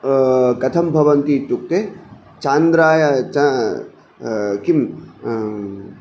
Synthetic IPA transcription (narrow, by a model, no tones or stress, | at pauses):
kɐt̪ʰɐmbʱɐʋɐnt̪it̪uk̚t̪e | t͡ʃaːnd̪ɾaːjat͡ʃa | kim